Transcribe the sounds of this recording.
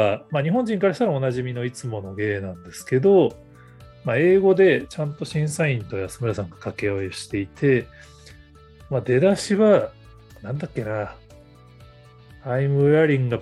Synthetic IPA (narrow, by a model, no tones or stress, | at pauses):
amaɲ̟iɦõɲ̟d͡ʑĩŋkaɾaɕi̥t̪aɾao̞naʑimʲino̞it͡sɨmo̞no̞ɡe̞ːnãnd̪e̞sɨ̥ke̞d̪o̞ | mae̞ːɡo̞d̪e̞t͡ɕãnt̪o̞ɕĩɰ̃saĩnt̪o̞jasɨmɯɾasãŋɡḁkake̞joiɕi̥t̪e̞it̪ʰe̞ | mad̪e̞d̪aɕiβa | nãnd̪akʲːe̞na | aimɯ̟aɾʲĩŋɡa